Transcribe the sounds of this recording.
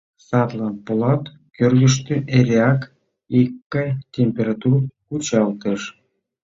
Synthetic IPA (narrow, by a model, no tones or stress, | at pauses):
sɑt̪lɑnpolɑt̪ | kørɣə̆ʃ̬t̪øʔeɾʲeɑk | ikːətʲemʲpʲeɾɑt̪urkut͡ɕɑlt̪ə̆ʃ